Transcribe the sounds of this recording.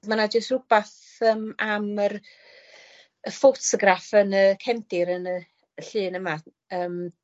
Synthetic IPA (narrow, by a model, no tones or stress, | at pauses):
manad͡ʒəstrʊb̥aθ | əːmamər | əfotsəɡrafənəkʰɛmdɪɾənə | əɬɨːnəma | əːm